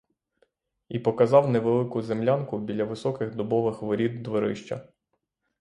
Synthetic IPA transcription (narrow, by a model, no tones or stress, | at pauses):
ipɔkɐzɑwneʋelˠɪkʊzemlʲankʊbʲilʲɐʋɪsɔkɪɣd̪ɔbɔʋɪxʋɪɾʲid̪d̪ʋɔɾɪ̰ʃt͡ʃɐ̰